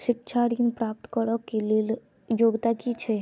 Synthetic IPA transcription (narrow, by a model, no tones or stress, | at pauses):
ʃikʃʰaɽinpɾap̚t̪ɔ̥kɔɾɔkːelil | joɡt̪akit͡ʃʰe